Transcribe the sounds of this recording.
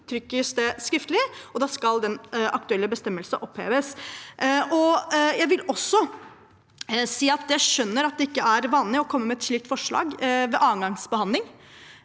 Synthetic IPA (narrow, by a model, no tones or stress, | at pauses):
t̪ʰɾʏkːəsd̪ɛskɾɪft̪əlɪɔd̪ɑːskɑld̪ɛnʔɑkt̪ʉɛlːəbəst̪ɛmːəlsəʔɔphḛːʋəsʔʔɔjæɪʋɪlɔsːɔ | siːɑt̪jæʃœnːəɾɑt̪̚d̪ɛɪkːəæɾʋɑːnlɪɔkʰɔmːəɾmɛɛt̪ʂɭiːk̚t̪fɔʂɭɑ̰ːɡʋɛʔɑːənɡɑŋsbəhɑnd̪lɪŋ